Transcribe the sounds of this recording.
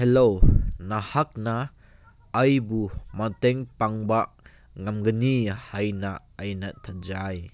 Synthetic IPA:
hɛlownahɐk̚na | ɐjbumɐtɛŋpɐŋba | ŋɐmɡɐnihajna | ɐjnat̪ʰat̚zaj

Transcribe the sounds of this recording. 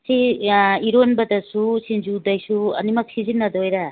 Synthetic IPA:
siiɾonbɐd̪ɐsusind͡ʒud̪ɐjsuɐ̰nimɐksizinːɐd̪ojɾa

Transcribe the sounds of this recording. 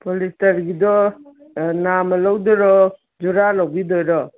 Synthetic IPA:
polistaɾɡidɔ | namɐlawdɔɾɔ | d͡ʒuɾalawbidɔjɾɔ

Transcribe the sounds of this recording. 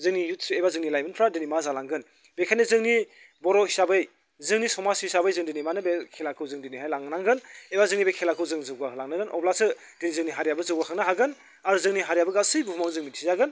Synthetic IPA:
zɯŋnijut̚ʰsebazɯŋnilajmɯnpʰɾadinimazalaŋɡɯn | bekʰanɯzɯŋni | bɔɾɔhisabɯj | zɯŋnisɔmasiisabɯjzɯŋdinimanɯbekʰelakʰɯwzɯŋdiniɦajlaŋnaŋɡɯnebazɯŋnibekʰelakʰɯwzɯŋzɯɡaɦɯlaŋnɯɡɯnʔɔ̰blasɯ | d̥inizɯŋniɦaɾjabɯzɯwɡakʰaŋnɯɦaɡɯn | aɾuzɯŋniɦaɾjabɯɡasɯjbupumawzɯŋmitʰizaɡɯn

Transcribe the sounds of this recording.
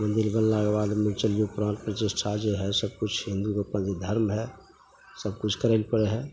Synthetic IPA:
mə̃nd̪ɪlbənlaːɡeʋaːlmẽt͡ʃəlijũpɾãːnʈ̚pɾət̪ɪsʈʰaːd͡ʒeɦɛsəb̚kʊt͡ʃʰɦɪ̃nd̪ukoːpnad͡ʒed̪ʱəɾmɦɛ | səbkʊt͡ʃʰkəɾelpəɽeɦɛ̃ː

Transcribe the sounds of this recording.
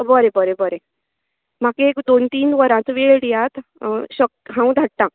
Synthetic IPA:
bəɾebəɾebəɾe | m̤akeekd̪ont̪iːnʋəɾãt͡sʋeɭɽijat̪ɕək̚t̪ɦãw̃d̪ʱaʈːã

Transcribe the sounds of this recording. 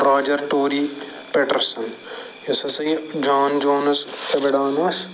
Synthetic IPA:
ɾaːd͡ʒɐɾʈoːɾiː | peʈɐɾsɐn | jɐsɐsɐĩd͡ʒaːnd͡ʒoːnɐst̪ɐbeɽaːnɐs

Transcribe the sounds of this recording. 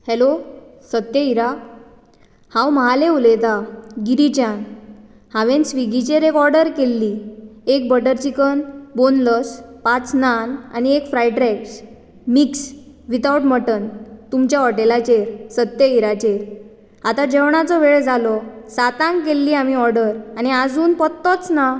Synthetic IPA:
helosət̪jəiɾa | hãwməɦaleulet̪aɡiɾit͡ɕjãn | hãʋensʋiɡit͡ɕeɾekɔɾɖəɾkelːiek̚bəʈəɾt͡ɕikənbonləspat͡snana̰niekfɾajʈɾɛks | miks | ʋit̪auʈməʈənt̪umt͡ɕjaɔʈelat͡ɕeɾsət̪ːjəiɾat͡ɕeɾ | at̪ad͡ʑeʋɳ̃at͡sɔʋeɭd͡zalɔsat̪ãŋkkelːiːamiɔɾɖəɾañiad͡zuːnpɔt̪ːɔt͡sna

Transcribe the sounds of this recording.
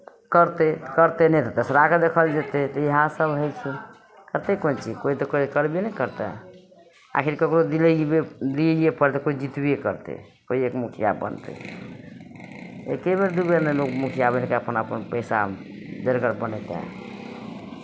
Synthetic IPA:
kəɾt̪et̪kəɾt̪enɛt̪ɔt̪əsəɾaked̪ekʰəld͡ʒet̪et̪ɔiɦãsəbɦəjt͡ʃʰi | kəɾt̪ekont͡ʃʰikoit̪ɔkoikəɾbienɛkəɾt̪a̰ | a̰kʰiɾkəkɾod̪ilebed̪ijepəɾt̪ekoid͡ʒit̪bijekəɾt̪ḛ | koiekmukʰija̰bə̰nt̪ḛ | ḛkebeɾd̪ubeɾnɛlokmukʰijabenkeəpənəpənpəjsa̰ | d͡ʒəɾkəɾbənɛt̪ḛ

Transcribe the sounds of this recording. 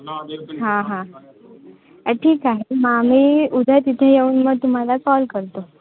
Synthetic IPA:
ɦãɦã | əʈʰiːkaɦemameud̪ʱət̪it̪ʰẽjeuːnməɡ̚t̪um̤alakɔlkəɾt̪o

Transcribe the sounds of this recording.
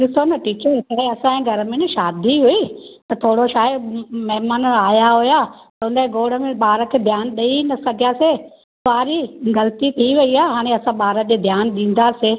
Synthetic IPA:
ɗɪsonɐʈiːt͡ɕəɾt̪aːeɐsãẽːɡʱɐɾəmẽnʃaːd̪ʱiɦuit̪ɐt̪ʰoːɽoʃaːmɐɦɪmaːnəaːjaɦujaːt̪ɐʊnəẽɡoːɽə̆mẽɓaːɾə̆kʰeːd̪ʱjaːnɗɐinɐsɐɡʱijase | saːɾiɣɐlət̪it̪ʰiʋɐiaːɦɦaːɽ̃ẽɐsãɓaːɾəd͡ʑeːd̪ʱjaːnɗĩːn̆d̪aseː

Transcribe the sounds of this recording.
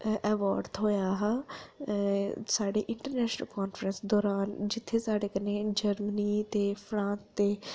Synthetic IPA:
ʔɛːʋaːɾɖd̪ɦoːjaːɦaː | saːɖḛːʔɪɳʈəɾnɛːʃnəlkɔːnfɾənsd̪ɔːɾaːnd͡ʒɪt̪ʰːeːsaːɖeːkəneːd͡ʒəɾməniːt̪eːpʰɾãːnst̪eː

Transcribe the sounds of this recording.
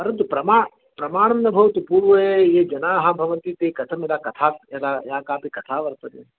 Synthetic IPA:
pɐɾɐnt̪upɾɐmaː | pɾɐmaːɳ̃ɐnnɐbʱɐʋt̪upuːɾʋɐeeːd͡ʒɐnaːɦabʱɐʋənt̪it̪eːkɐt̪ʰɐmelaːkɐt̪ʰaːelaːaːkaːpikɐt̪ʰaːʋɐɾt̪ɐd̪e

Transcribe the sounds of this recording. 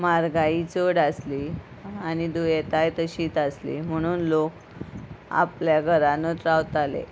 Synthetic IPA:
maɾɡaiːt͡soɽasliː | añid̪ujet̪ajt̪əɕiːt̪aslḭm̤əɽ̃uːnlok̚ | a̰pljaɡʱəɾanət̪ɾawt̪alḛ

